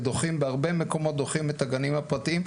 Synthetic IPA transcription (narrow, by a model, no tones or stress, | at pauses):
d̪o̞χimbeaʁbemeko̞mo̞t̪̚d̪o̞χimet̪aɡanimhapʁɐt̪iim